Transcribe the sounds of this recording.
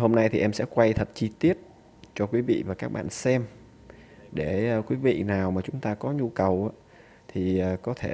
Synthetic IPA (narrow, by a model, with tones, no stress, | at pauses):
ho˧mna˧jt̪ʰi˨˩ʔɛ˧msɛ̰˧˥kwa˧jt̪ʰə˨˩t̚t͡ɕi˧t̪i˦˥ət̚ | t͡ɕɔ˧kwi˨˦vḭ˧˨vaː˨˩kaː˦˥k̚ɓa̰ː˧˨nsɛ˧m | ɗe˧˩˨kwi˨˦vḭ˧˨naː˨˩wmaː˨˩t͡ɕʊ˨˦ŋ͡mt̪aː˧kɔ˨˦ɲu˧kə˨˩wʔaː˧˦ | t̪ʰi˨˩əː˨˩kɔ˨˦t̪ʰe˧˩